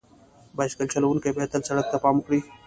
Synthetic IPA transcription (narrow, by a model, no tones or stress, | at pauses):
baʃkəlt͡ɕʰɐlɐwunkebet̪əlsɐɽək̚t̪apaːmukɽiː